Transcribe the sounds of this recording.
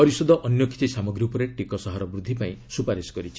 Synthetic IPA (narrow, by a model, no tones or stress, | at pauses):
pɔɾisɔd̪ʱɔʔɔnjɔki̥t̪isamɔɡɾiupɔɾeʈikɔsɔɦaɾɔbɾud̪ʱːipaĩsupaɾiskɔɾit͡ʃʰi̥